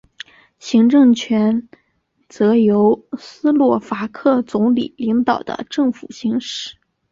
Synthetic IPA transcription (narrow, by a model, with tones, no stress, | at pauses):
ɕi˧˥ŋʈ͡ʂɤ˥˩ŋt͡ɕʰɥɛ˧˥n | t͡sɤ˧˥jo˧˥ʊsɹ̩˥lwɔ˥˩fa˧˥kʰɤ˥˩t͡sʊ˧˥ŋlḭ˨˩li˧˥ŋt̪ɑ˨˩ʊd̪ə̰˧˦ʈ͡ʂɤ˥˩ŋfu˨˩ɕi˧˥ŋʂɻ̩˥˩